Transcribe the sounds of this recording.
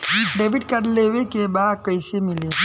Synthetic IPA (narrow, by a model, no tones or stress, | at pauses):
ɖeːbiʈkəɾleʋekebaːd̪̚kəɪsemɪle